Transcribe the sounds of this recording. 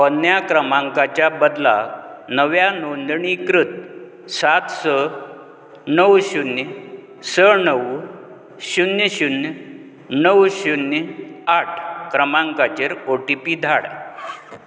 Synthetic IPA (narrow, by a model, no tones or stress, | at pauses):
pənjakɾəmaŋkat͡ɕjabəd̪la̰nəʋjanond̪ɳikɾut̪̚ | sat̪sə | nəwɕun | sənəw | ɕunjɕun | nəwɕunjaʈʰkɾəmaŋkat͡ɕeɾoʈipiːd̪ʱaɽ